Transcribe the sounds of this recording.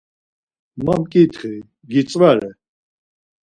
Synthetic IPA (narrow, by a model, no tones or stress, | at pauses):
mamkʼit̪ʰχi | ɡit͡sʼvɛɾɛ